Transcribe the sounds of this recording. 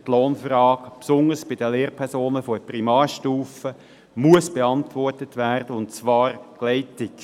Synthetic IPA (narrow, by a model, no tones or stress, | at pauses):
tloːnfɾɑːkpsʊnəsb̥ɪdəleːɾpʰɛɾsoːnəfɔprimɑːɾʃtuːfə | muəsb̥eɑntʋɔrtətʋæːʁd̥əʊntt͡sʋɑːɾklɛɪtɪk